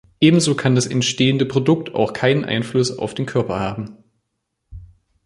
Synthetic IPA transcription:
ʔeːbm̩zoːkʰandasɛ̰ntʃteːəndəpʁ̥odʊk̚tʰa̰ʊxkʰaɪnənʔa̰ɪnflʊsa̰ʊfd̥eːnkʰœɐpɐhaːbm̩

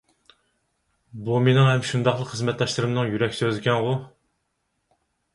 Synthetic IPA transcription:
bumenɪŋhɛmʃund̪ɑχlˠəχəzmɛt̪lˠɑʃlˠɨɾɨmnɨŋjyɾɛkʲsøzɪkʲʰɛnʁʊ

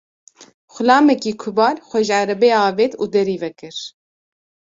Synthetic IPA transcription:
xʷʊlɑːmɛkiːkʰʊbɑːlxʷɛʒʕaɾɛbeːɑːveːt̪uːd̪ɛɾiːvɛkɨɾ

